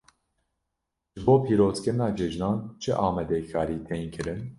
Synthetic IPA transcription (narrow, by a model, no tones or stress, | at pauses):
ʒ̥ɨboːpʰiːɾoːzkɨɾnɑːd͡ʒɛʒnɑːnt͡ʃʰɨʔɑːmɛd̪ɛkʰɑːɾiːt̪ʰeːŋkʰɨɾɨn